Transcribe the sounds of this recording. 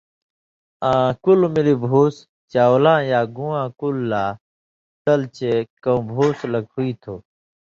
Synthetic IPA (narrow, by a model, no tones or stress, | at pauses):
ãːkulmilibʱoːs | t͡ɕaːolãːjaːɡũːãːkulːaː | t̪əlt͡ɕekõũbʱoːsləkhuiːt̪ʰoː